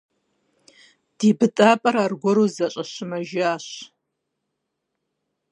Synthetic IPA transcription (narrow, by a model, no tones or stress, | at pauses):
d̥ibɨtʼapʼɐɾarɡʷʊɾozat͡ʃʼaʃɪmaʒaʃ